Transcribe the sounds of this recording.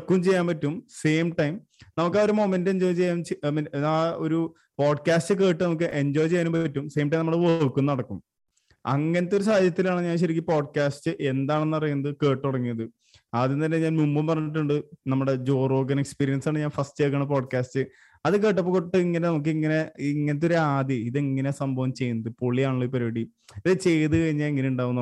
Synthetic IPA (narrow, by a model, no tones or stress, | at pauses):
kːumt͡ɕe̞jːaːmpɐtːumse̞ːmʈɐjm | nɐmukːaoɾumo̞ːmendeɲd͡ʑoːjt͡ɕe̞jːaːmt͡ɕmao̞ɾu | poːɖkaːstɨke̞ːʈːɨnɐmuk̬ːɨʔeɲd͡ʑoːjt͡ɕe̞jːnumpɐtːumse̞ːmʈɐjmnɐmːuɽeʋoɭkːunːɐɽɐkːum | ɐ̰ŋːɐneɐt̪ːo̞ɾus̬ahɐd̪ʱjɐt̪ːilaːɳɨɲaːnɕ̬ɐɾikʲːipoːɖkaːstɨʔe̞nd̪aːɳe̞nːɨpɐrɐjunːɐðɨke̞ːʈ̪ːuɽɐŋːijɐðɨ | aːðint̪ɐnlːeɲaːnmumbumpɐrɐɲːiʈ̬ːuɳɖɨnɐmːuɽe̞d͡ʑo̞ːro̞ːɡɐnekspiːɾijɐnsaːɳɨɲaːnfɐsʈejk̬ːɐɳɐpo̞ːɖkaːstɨ | ɐðɨk̬e̞ːʈːɐpːokoʈːɨiŋːɐne̞nɐmuk̬ːɨiŋːɐne̞iŋːɐnet̪ːo̞ɾuaːd̪iiðeŋːɐne̞sɐmbʱɐʋɐmt͡ɕe̞junːɐðɨpoɭijaːɳoɭːoipɐɾoːɽi | iðɨt͡ɕe̞jt̪ɨkɐɻiɲːaːiŋːɐneuɳɖaːʋunːɐ